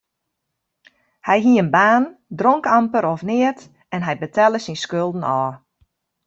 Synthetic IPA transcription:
hɛjɦiəənbaːndroŋkampəɾɔfnɪət | ɛnɦɛjbətʰɛlˠəsinskølˠdən̩ɔː

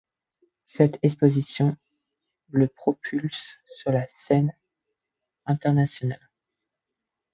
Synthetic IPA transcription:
sɛt̪ɛkspozisjɔ̃ | ləpχɔpʰylsːyʁlasɛn | ɛ̃t̪ɛʁnasjɔnal

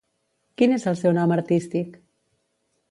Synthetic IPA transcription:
kinezəlˠsɛwnɔməɾt̪ist̪ik

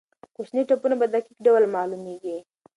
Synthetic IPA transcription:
koʃniʈapunabad̪akikɖawlmɑlumeɡi

